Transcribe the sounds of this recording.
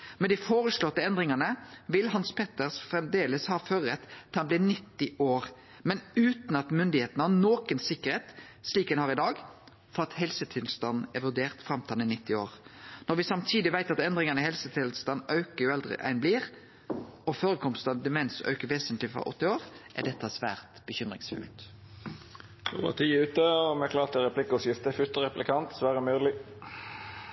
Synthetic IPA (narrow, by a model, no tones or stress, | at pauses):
mɛd̪ɪfoːʁəslɔt̪ːəɛnd̪ʁɪŋɑnəʋɪlɦɑnspʰeːt̪əʁsfʁɛmd̪eːləshɑːføːɾəʁɛt̪ːhɑnblɪːnɪt̪ːɪʔoːʁ | mɛnʉːt̪n̩ɑt̪mʏnd̪ɪheːt̪nəhɑnoːkənsɪkːəʁheːt̪sliːkd̪ɛnhɑːʁɪd̪ɑːɡ | fɔʁɑt̪hɛlsət̪ʰɪlst̪ɑnn̩ɛʋʉd̪eːʁt̪fʁɑmt̪ʰɑːnɪnɪt̪ːɪo̰ːʁnɔʁʋɪsɑmt̪ʰiːd̪ɪʋæɪt̪ɑt̪ɛnd̪ʁɪŋɑnəhɛlsət̪ʰɪlst̪ɑnːœʉkəjʊɛld̪ʁɪ̰ʔæ̰ɪnbliːʁ | ɔføːʁəkʰɔmst̪ɑnəd̪ɛmɛnsœ̰ʉkəʋeːsənt̪lɪfʁɔ̰ʔɔ̰t̪ːɪoːʁʔæ̰ʁd̪ɛt̪ːɑsʋæːʁt̪b̥əçʏmʁɪŋsfʉ̰lt̪ | o̰ʋə̰t̪ʰiːʉːt̪əɔmɛklɑːʁt̪ɛʁɛpʰlɪkːɔsjɪft̪əfʉt̪əʁɛplɪkʰɑnt̪sʋæːʁəmøːlɪ